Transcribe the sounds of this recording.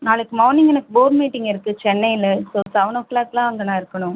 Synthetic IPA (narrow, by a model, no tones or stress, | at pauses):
naːlɯkːɯmɐʋnɪŋɡɛnɯkːɯboːɾmiːʈɪŋɡɪɾɯkːɯt͡ʃɛnːɐjɪlɐsoːsɐʋɐnɐːklaːslãːɐŋɡɐnãːɪɾɯkːɐɳʊ̃